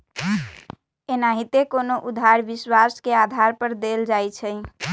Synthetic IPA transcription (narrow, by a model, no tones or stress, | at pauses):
enaɦit̪ekonoʔud̪ʱaɾbiswaskead̪ʱaɾpəɾd̪eld͡ʒajt͡ʃʰəj